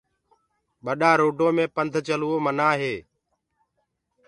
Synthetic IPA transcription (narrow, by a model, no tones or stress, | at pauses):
ɓəɗaːɾoːɖõːmẽːpənd̪ʱt͡ʃəluːoːmənaːɦeː